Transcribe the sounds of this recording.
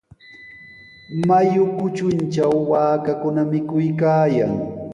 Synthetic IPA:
majʊkʊt͡ʃʊnt͡ʃawːaːkakʊnamɪkʊjkaːjaŋ

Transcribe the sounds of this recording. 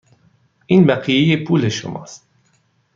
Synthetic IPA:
ʔiːnbæɢijejepʰuːle̞ʃo̰mɒ̰ːst̪̚

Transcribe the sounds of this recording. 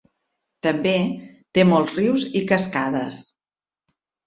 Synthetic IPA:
t̪əmbet̪emɔlˠzriwzikəskaðəs

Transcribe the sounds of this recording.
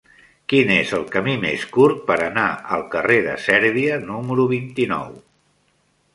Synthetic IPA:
kinezəlˠkəmimeskuɾt̪̚pəɾənaəlˠkəreðə̰sɛɾβiənuməɾuβ̞int̪inɔ̰w

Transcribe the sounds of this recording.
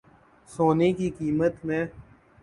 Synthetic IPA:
soːnekikiːmət̪mẽː

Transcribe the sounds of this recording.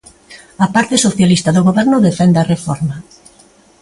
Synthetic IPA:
ɐpaɾt̪ɪsoθjalist̪ɐðoɣoβɛɾnʊðefɛnd̪eɐrefɔ̰ɾmɐ

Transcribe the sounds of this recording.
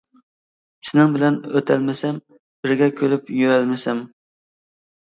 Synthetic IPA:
sʰɪnɪŋbɪlɛnøt̪ʰɛlmɪsɛm | b̥ɪɾɡʲɛkʲʰølypjøɛlmɪsɛm

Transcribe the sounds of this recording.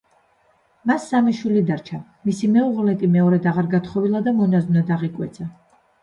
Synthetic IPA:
masːamɛʃwilid̪aɾt͡ʃʰa | misimɛuʁlɛk̪ʼimɛɔɾɛd̪aʁaɾɡat̪ʰχɔvilˠad̪amɔnazunad̪aʁikʼwɛt̪sʰa

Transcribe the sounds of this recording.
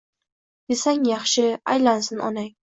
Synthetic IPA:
d̪̥esaŋjɑχʃɪa̰jlansɪnɒ̰naŋ

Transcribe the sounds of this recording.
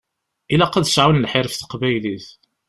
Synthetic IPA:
ilæqːɑðsʕawənlħɪɾfθə̥qbæjliθ

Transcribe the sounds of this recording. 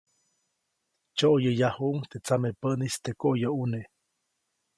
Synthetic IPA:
t͡ʃoʔjəjahuʔuŋt̪et͡samepənist̪ekoʔjoune

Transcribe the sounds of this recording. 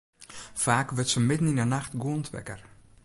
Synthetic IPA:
faːkʋərtsəmɪdən̩inənaxtɡuəntʰʋɛ̰kər

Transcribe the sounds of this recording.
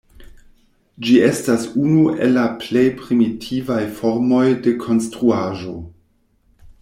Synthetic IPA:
d͡ʒie̞stasunuʔḛlːaple̞jpɾimitʰivajfo̞ɾmo̞jde̞kʰo̞nstɾuaʒo̞

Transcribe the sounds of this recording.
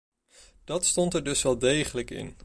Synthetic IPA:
d̥ɑtstɔntɛɹdɵsʋɛlˠdejχələkɪ̰n

